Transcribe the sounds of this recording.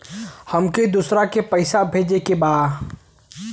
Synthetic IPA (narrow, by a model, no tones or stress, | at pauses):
həmked̪usɾakepəɪsabʱeːd͡ʒekebaː